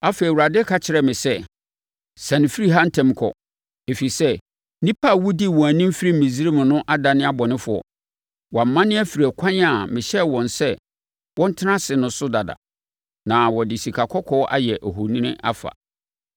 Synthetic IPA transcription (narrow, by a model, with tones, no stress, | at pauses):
a˦fe˨i˨wu˨ɾa˨dɪ˦kʰa˨t͡ɕʰɪ˨ɾɛ˨mɪ̃˨sɛ˦ | sã˨nɪ̃˨fi˦ɾi˦ɦa˦n̩˦tʰɛ̃˦m˦kʰɔ̰˨ | e˨fi˨sɛ˦ | nĩ˦pʰa˦˨wu˦di˦˨wɔ̃˨æ˨nĩ˦m̩˦fi˦ɾi˦m̩˨mĩ˨zi˦ɾi˦mʊ̃˨nʊ̃˦ʔa˦da˨nɪ̃˦a˦bɔ˨nɪ̃˦fʊ˨ɔ̰˨ | wɔ̃˨m̩˨˦mã˦nɪ̃˦æ˦fi˨ɾæ˨kʷʰã˦ɲ˦a˨mɪ̃˨ɕɛ˦wɔ̃˨nsɛ˦ | wɔ̃˦n̩˦tʰɪ˦nã˦sɪ˨nʊ̃˨sʊ˦da˨da̰˨ | nã˨wɔ˨dɪ˨si˨kʰa˨kʰɔ˦kʰɔː˦ʔa̰˦jɛ˨ʔɔ˨ɦo˨nĩ˦nɪ̰̃˦ʔa̰˦fa̰˨